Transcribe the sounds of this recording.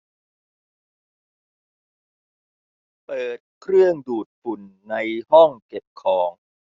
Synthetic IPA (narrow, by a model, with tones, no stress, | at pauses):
pɤː˨˩t̪̚kʰɾɯ˥˩əŋduː˨˩t̪̚fu˨˩nːa˧jhɔ˥˩ŋke˨˩p̚kʰɔː˩˦ŋ